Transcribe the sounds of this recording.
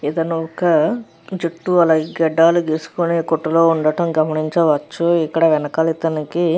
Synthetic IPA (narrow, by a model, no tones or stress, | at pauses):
it̪ɐnuɔkɐ | d͡ʒeʈːuɐlɐɡɡɛɖːaːlud̪eːsu̥kuneːkoʈːuloːuɳɖɐʈɐmɡɐmɐniɲt͡ʃɐʋɐt͡ʃːuikːɐɽɐʋɛnɐkaːlit̪ɐniki